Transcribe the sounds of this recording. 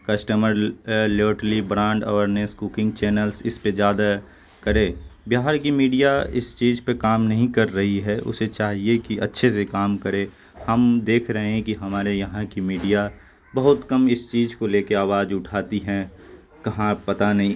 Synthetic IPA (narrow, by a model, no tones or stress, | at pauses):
kɐsʈəməɾləːʈlibɾãːɳɖɔːɾneskuːkɪ̃ŋɡ̚t͡ʃɛːnəlsɪsped͡ʒjaːd̪a | kɐɾẽːbjaːɦaɾkimiːɖijaɪ̰st͡ʃiːd͡ʒpekaːmnɐɦĩkɐɾːɐɦiɦɛʔʊ̰set͡ʃaːɦiekiʔɐ̰tːʃʰes̬ekaːmkɐɾẽ | hɐmd̪eːkʰɾɐɦẽɦɛ̃kiɦɐmaːɾejɐɦãkimiːɖija | bɐɦʊt̪kɐmɪst͡ʃiːd͡ʒkoleːkeaːʋaːd͡ʒʊʈʰaːt̪iɦɛ̃ | kɐɦãpɐt̪anɐɦĩ